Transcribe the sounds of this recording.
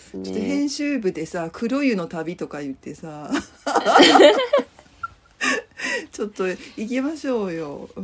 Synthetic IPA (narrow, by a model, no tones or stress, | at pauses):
t͡ɕot̪ːo̞ɦẽ̞ɰ̃ɕɨːbɯ̟d̪e̞sakʰɯ̟ɾojɯ̟no̞t̪abʲit̪o̞kajɯ̟t̪ːe̞sa | t͡ɕo̞t̪ːo̞ikʲemaɕo̞ːjo̞